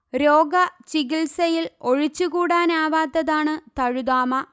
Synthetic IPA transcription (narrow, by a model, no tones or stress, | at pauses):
ɾoːɡɐt͡ɕiɡilsɐjilo̞ɻit͡ɕːukuːɽaːnaːʋaːt̪ːɐðaːɳɨt̪ɐɻud̪aːmɐ